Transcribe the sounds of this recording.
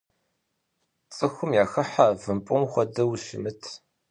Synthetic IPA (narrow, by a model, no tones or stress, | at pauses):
t͡sʼɨxʷʊmjaːxɐħavɨmpʼʊmxʷɐdɐwʃɪ̰mɨtʰ